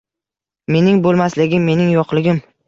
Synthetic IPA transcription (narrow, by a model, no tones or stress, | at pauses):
me̞nɪŋbolˠmaslɪɡʲɪmːe̞nɪŋjɒqlˠɪɡʲɪm